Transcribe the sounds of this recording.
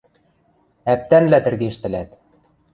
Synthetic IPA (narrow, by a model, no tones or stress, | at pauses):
æp̚t̪ænlæt̪ɘ̆rɣeʃt̪ɘ̆læt̪